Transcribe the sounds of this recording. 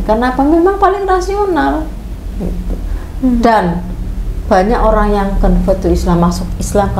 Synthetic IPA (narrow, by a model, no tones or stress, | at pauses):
karənapamemaŋpalɪŋrasional | ɡit̪u | dan | b̥a̤ɲakoɾaŋjaŋkənfət̪uislamːasʊkislamk